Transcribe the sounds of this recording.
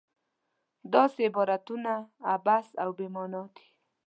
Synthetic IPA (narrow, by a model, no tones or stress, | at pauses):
d̪ɑseɪbɔɾat̪unaːbasawbemɔnɑt̪i̥